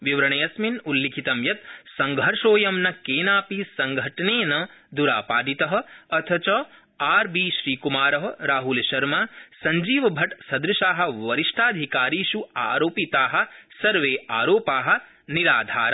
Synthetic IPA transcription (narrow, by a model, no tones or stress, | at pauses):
ʋiʋɾɐɳeːjɐsminulːikʰit̪ɐmjɐt̪sɐŋɡʱɐɾʂoːjɐmnɐkeːnaːpisɐŋɡʱɐʈɐneːnɐd̪uɾaːpaːɖit̪ɐɦɐ̆ɐt̪ʰɐt͡ʃɐ | aːɾbiːʃɾiːkumaːɾɐɦɐ̆ɾaːɦulʃɐɾmaːsɐɲd͡ʒiːʋɐbʱɐʈsɐd̪ɾuʃaːɦɐ̆ʋɐɾiʂʈʰaːd̪ʱikaːɾiːʃuaːɾoːpit̪aːɦɐ̆sɐɾʋeːaːɾoːpaːɦɐ̆ | niɾaːd̪ʱa̰ːɾa